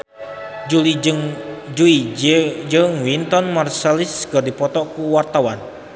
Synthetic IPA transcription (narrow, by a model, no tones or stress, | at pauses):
d͡ʒuliŋd͡ʒuid͡ʒəŋwint̪ɔnmarsɛliskərdipɔt̪ɔʔkuwart̪awan